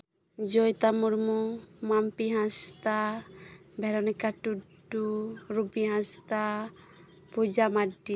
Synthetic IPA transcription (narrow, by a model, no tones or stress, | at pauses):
d͡ʒɔjt̪amuɾmɔmampiɦãst̪a | bʱɛɾɔnɛkaʈuɖuɾubiɦãst̪a | pud͡ʒamaɖi